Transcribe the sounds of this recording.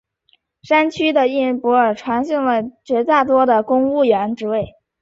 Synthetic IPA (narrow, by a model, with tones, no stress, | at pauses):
ʂa˥nt͡ɕʰy˥d̪ə˨i˥˩n˥pwɔ˧˥ə˞˨˩ʈ͡ʂʰwa˧˥nɕi˥˩ŋlə˩t͡ɕɥɛ˧˥t͡sa˥˩t̪wɔ˥d̪ə˨kʊ˥ŋu˥˩ɥɛ˧˥nʈ͡ʂɻ̩˧˥we˥˩ɪ